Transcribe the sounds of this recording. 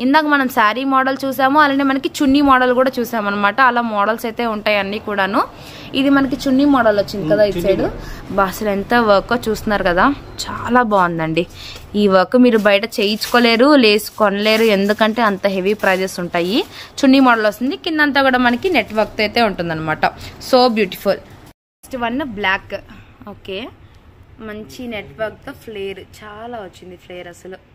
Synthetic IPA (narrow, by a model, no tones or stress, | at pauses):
ind̪aːkɐmɐnɐmsaːɾimɔːɽɐlt͡ʃuːsaːmuɐlaːneːmɐnɐkit͡ʃunːiːmɔːɽɐlkuːɽaːt͡ʃuːsaːmɐnːɐmaːʈɐːlaːmɔːɽɐlsɐjt̪e̞ːuɳʈaːjɐnːiːkuːɽaːnu | id̪imɐnɐkit͡ʃunːiːmɔːɽɐlot͡ʃːind̪ikɐd̪aːit͡ʃːeːɽubaːsɐlent̪ɐʋɐkoːt͡ʃuːst̪unːaːɾukɐd̪aː | t͡ʃaːlaːbaːund̪ɐɳɖi | iːʋɐkɐmiːɾubɐjɐʈɐt͡ʃeːjit͡ʃːu̥koːle̞ːɾule̞ːsu̥kɔnɐle̞ːɾue̞nd̪ukɐɳʈe̞ːɐnt̪ɐɦe̞ʋipɾaːd͡ʒ̪esuɳʈaːjit͡ʃunːimɔɽɐlʋɐst̪ind̪ikinːd̪ɐnt̪̬aːɡuːɽaːmɐnɐkineʈʋɐɾk̚t̪ɐjt̪e̞ːuɳʈund̪ɐnːɐmaːʈɐso̞ːbjuːʈi̥pʰulpʰɐsʈʋɐnːblaːkoːke̞ː | mɐɲt͡ʃineʈʋɐɾk̚t̪oːpʰleːjɐɾt͡ʃaːlaːot͡ʃːind̪ipʰleːjɐɾɐsɐlu